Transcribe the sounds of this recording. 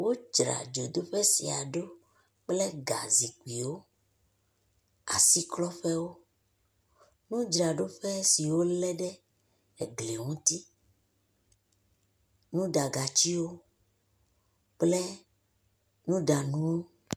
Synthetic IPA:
wo˦d͡ʒɾa̰˨d͡ʒo˨d̪o˦ɸɛ˦si˨a̰˨ɖo˦ | k͡ple˦ɡa̰˨zi˨ku˨i˨wo˦ | a̰˨si˦klɔ˦ɸɛ˦wo˦ | nũ˦d͡ʒɾa˨ɖo˦ɸɛ˦si˨wo˦lɛ˦ɖɛ˦ | e˨ɡle˨ŋũ˦t̪i˦ | nũ˦d̪a˨ɡa˨t͡ɕi˦wo˦ | k͡ple˦ | nũ˦d̪a˨nũ˦wo˦

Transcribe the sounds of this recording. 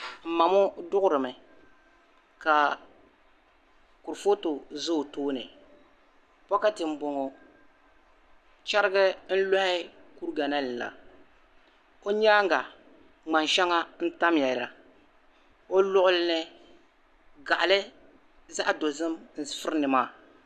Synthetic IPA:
m̩˨ma˨mo˦dʊ˦ɣʊ˦ɾɨ˨mɨ˨ | ka˨ | ku˨ɾfo˦to˨zo˦˨toː˦nɨ̰˨ | pɔ˦ka˦tɪ˨m̩˦bo˨ŋo˨ | t͡ʃa˦ɾɪ˦ɡɨ˦n̩˦lo˦hɪ˦ku˦ɾɡa˨na˦lɨ˨n˨la̰˨ | o˦ɲa˦ŋ˦ɡa˨ | ŋ͡ma˨nʃɛ˦ŋa˦n̩˦ta˦mjɛ˨lɾa˨ | o˦lʊ˦ʔʊ˦lnɨ˦ | ɡa˨ʔlɨ˦ | za˦ʔdo˨zɨ˦mn̩˨˦fɨ˦ɾnɨ˨maː˦˨

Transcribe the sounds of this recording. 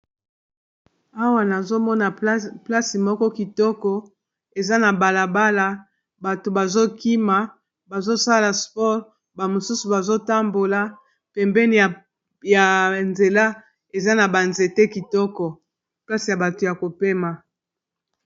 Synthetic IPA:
a˦wa˦na˨zo˦mɔ˦na˨pla˦si˨mɔ˦kɔ˦ki˨tɔ˦kɔ˦ | e˨za˦na˨ba˨la˨ba˦la˦ | ba˨to˨ba˨zo˦ki˦ma˨ | ba˨zo˦sa˦la˨spɔ˦ʁ | ba˨mo˨su˦su˨ba˨zo˦ta˦mbo˨la˦ | pɛ˨mbɛ˦ni˨ | ja˨nze˨la˦ | e˨za˦na˨ba˨nze˨te˦ki˨tɔ˦kɔ˨ | pla˦si˨ja˨ba˨to˨ja˨ko˨pe˦ma˨

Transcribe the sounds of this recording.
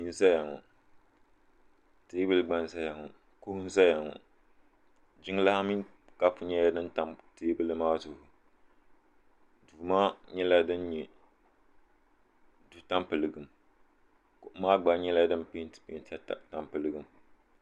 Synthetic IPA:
i˦n˦za˦ja˨ŋɔ̰˨ | teː˦bɨ˦lɨ˦ɡ͡ba˦n˦za˦ja˨ŋɔ˨ | kʊ˦hʊ˦n˦za˦ja˨ŋɔ̰˨ | d͡ʒɪ˦ŋ˦la˦ha˦mi˦n | ka˦pʊ˨ɲɛ˦ja˦dɨ˦nta˨mteː˦bɨ˦lɨ˦maː˦zʊ˨hʊ˨ | du˨maː˦ɲɛ˦la˦dɨ˦nɲɛ˨ | du˨˦ta˦mpɨ˨lɨ˨ɡɨ˨m | ko˨ʔmaː˦ɡ͡ba˨ɲɛ˦la˦dɨ˦npe˦ntpe˦ta˦ta˨ta˨mpɨ˨lɨ˨ɡɨ˨m

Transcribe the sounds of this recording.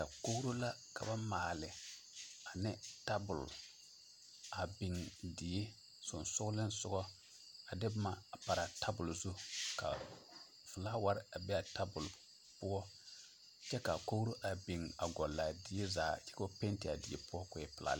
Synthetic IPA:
ka˨ko˦wɾo˦la˦ka̰˨ba˦maː˨lɪ˨ | a˨nɪ˦ta˦bʊ˨l | a˨bɪ˨ŋdɪ˨ɪ˦ | sʊ˨nsʊ˦lɪ˦nsʊ˦ɡɔ˦ | a˨dɪ˦ma˨pa˨ɾa˨tʰa˦bʊ˨lzu˦ka̰˨ | vʊ˨laː˦wa˦ɾɪ˦a˨bɛ˦a˨ta˦bʊ˨l | pʊ˦ɔ˦ | t͡ʃɛ˦ka˨ko˦ɾo˦ʔa˨bi˨ŋa˨ɡɔ˨lːa˨dɪ˨˦ɪ˦zaː˨t͡ʃɛ̥˦ko˦pe˦ntɪ˨a̰˨dɪ˨ɪ˦pʊ˦ɔ˦kʊ˨ɛ˨˦pɪ˨la̰˨l

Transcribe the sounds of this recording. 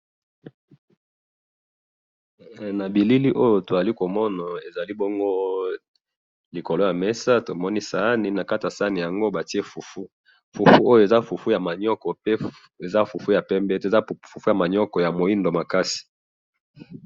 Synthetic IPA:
na˨bi˨li˦li˦ʔo˦jo˨to˨a˨li˦ko˨mɔ˦na˨e˨za˨li˦bo˦ŋɡo˦ | li˨ko˨lo˦ja˨mɛ˦sa˦to˨mɔ˦ni˦sa˦ni˨na˨ka˦ta˨sa˦ni˨ja˨ŋɡo˦ba˨ti˦e˦fu˨fu˦ | fu˨fu˦o˦jo˨e˨za˦fu˨fu˦ja˨ma˨ɲɔ˦kɔ˨pe˦ | e˨za˦fu˨fu˦ja˨pɛ˦mbɛ˦to˨za˦fu˨fu˦ja˨ma˨ɲɔ˦kɔ˨ja˨mo˨i˦ndo˨ma˨ka˦si̥˨

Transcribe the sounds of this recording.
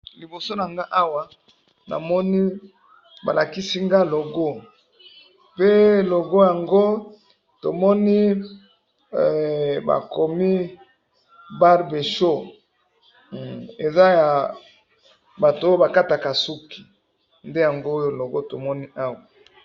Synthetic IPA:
li˨bo˨so˦na˨ŋɡa˦ʔa˦wa˦ | na̰˨mɔ˦ni˦ | ba̰˨la˨ki˦si˦ŋɡa˦lo˨ɡo˦ | pe˦lo˨ɡo˦ja˨ŋɡo˦ | to˨mɔ˦ni˦˨ | ba̰˨ko˨mi˦ | ba˦ʁbe˨ʃo˦ | e˨za˦ja˨ | ba˨tːjo˦ba˨ka˦ta˨ka˨su˦ki̥˨ | nde˦ja˨ŋɡoː˦jo˦lo˨ɡo˦to˨mɔ˦ni˦a˦wa˨

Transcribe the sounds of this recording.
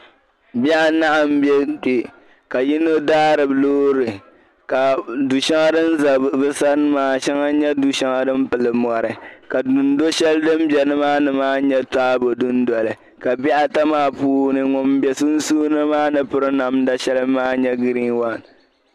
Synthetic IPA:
bɛ˦ʔa˦na˦ʔa˨m˦bɛ˦de˨ | ka˨ji˦no˦daː˦ɾɨ˨bloː˦ɾɨ˨ | ka˨du˨ʃa˦ŋa˦dɨ˦n̩˦za˨bbɨ˦sa˦n˦maː˦˨ʃa˦ŋa˦ɲɛ˦du˨ʃa˦ŋa˦dɨ˦m̩˦pɨ˨lɨ˨mɔ˨ɾɨ˨ka˨du˨n˦do˦ʃɛ˦ldɨ˦m˦bɛ˨nɨ˦maː˦nɨ˨maː˦ɲɛ˦taː˦bo˨dʊ˦n˦dɔ˨lɨ˨ | ka˨bi˦ʔa˦ta˦maː˦puː˦nɨ˨ŋɔ˨m˦bɛ˨su˦n̩˦suː˦nɨ˦maː˦nɨ˦pɨ˦ɾɨ˦na˨˦mda˦ʃɛ˦lɨ˦maː˦ɲɛ˦ɡɨ˦ɾiː˦wa˦n

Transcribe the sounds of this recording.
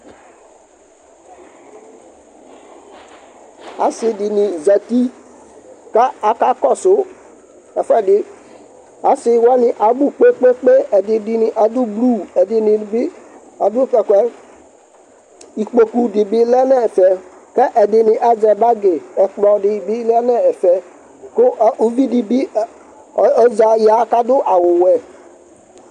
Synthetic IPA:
a̰˨˦sɪ˨dɪ˨nɪ̃˨za˨ti˦ | ka˦a˨ka˦kɔ˦sʊ˦ | ɛ˨fɛ˦dɪ˦ | a˨sɪ˨wa˦nɪ˨ʔa˨bu˨k͡pe˦k͡pe˦k͡pe˦ɛ˨dɪ˨dɪ˦nɪ˨ʔa˨du˦blu˦˨ɛ˨dɪ˨nɪ˨bi˦ | a˨dʊ˦kɛ˨kʷɛ˦ | i˨k͡po˨ku˨dɪ˨bi˦lɛ˦nɛ˦˨fɛ˨ | kɛ˦ʔɛ˨dɪ˨nɪ˨ʔa˨d͡ʒɛ˨ba˦ɡe˨ɛ˨k͡plɔ˨dɪ˨bi˦lɛ˦nɛ˦ɛ˨fɛ˨ | kʊ˦ʔu˦vi˦di˨bi˦˨ | ɔ˨˦d͡ʒa˨ja˨˦ka˦dʊ˦ʔa˨wʊ˨wɛ˨

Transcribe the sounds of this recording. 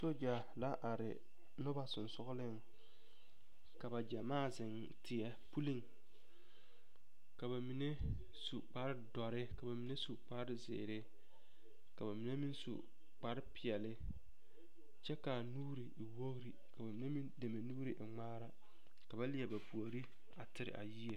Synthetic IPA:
so˦d͡ʒa˨ | la˦ʔa˨ɾɪ˨ | nʊ˦ba˨sʊ˨nsʊ˦ɣʊ˦lɪ˦ŋ | ka˨ba˨d͡ʒa˨maː˦˨zɪ˨n | tʰɪ˨ɛ˨pu˦li˦ŋ | ka˨ba˨mi˨ne˦ | su˨k͡pa˦ɾɪ˦dɔ˨ɾɪ˦ka˨ba˨mi˨˦ne˦su˨k͡pa˦ɾɪ˦zɪ̰ː˨ɾɪ˦ | ka˨ba˨mi˨ne˦mi˦nsṵ˨ | k͡pa˦ɾɪ˦pɪ˨ɛ˨lɪ˦ | t͡ʃɛ˦ka˨nuː˦ɾi˨wo˦ɣɾi˦ | ka˨ba˨mi˨ne˦mi˦nde˨me˨nuː˦ɾi˨ʔɪ˨ŋ͡maː˦ɾa˨ | ka˨ba˦lɪ˦ɛ˨ba˨pu˨o˨ɾi˦ | a˨tɪ˦ɾɪ̰˨ʔa̰˨ji˦e˨

